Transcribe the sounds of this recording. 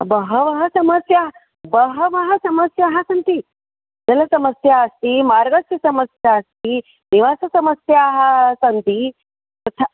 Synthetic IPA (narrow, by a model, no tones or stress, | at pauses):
bəɦəʋəɦəsɐməsjaɦ | bəɦəʋɐɦəsɐməsjaɦasənt̪i | d͡zələsɐməsjaːst̪imaɾɡəsisɐməsjaːst̪i | niʋasɐsɐməsjaɦasənt̪i | t̪ɐt̪ʰa